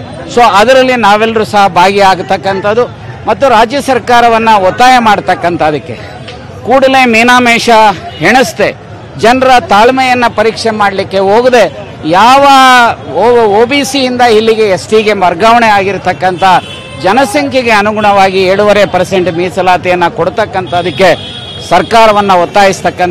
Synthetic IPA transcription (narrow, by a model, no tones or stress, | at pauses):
so̞ɐd̪ɐɾɐlːinaːʋɛlːɐɾusɐɦɐbʱaːɡiaːɡt̪ɐkːɐnt̪ɐd̪u | mɐt̪ːuɾaːd͡ʒjɐsɐɾkaːɾɐʋɐnːɐɔt̪ːaːjɐmaːɽt̪ɐkːɐnt̪ɐd̪ɐkːe̞̰ | kuːɽɐlemiːnaːmɛːʂɐɦeɳust̪e̞ | d͡ʒɐnɾɐt̪aːɭmɛjɐnːɐpɐɾiːkʂemaːɽlikːe̞ɦoːɡud̪e̞ | jaːʋɐ | oːbiːsiind̪ɐɦilːiɡe̞esʈiɡe̞mʋɐɾɡaʋɐɳeaːɡiɾt̪ɐkːɐnt̪ʰɐ | d͡ʒɐnɐsɐŋkʰɛɡe̞ɐnuɡuɳɐʋaːɡiɛɾɽuʋɐɾepɐɾse̞ɳʈmiːsɐlaːt̪ijɐnːɐkoɽut̪ɐkːɐnt̪ɐːd̪ɐkːe̞ | sɐɾkaːɾɐʋɐnːɐɔt̪ːaːjist̪ɐkːɐnt̪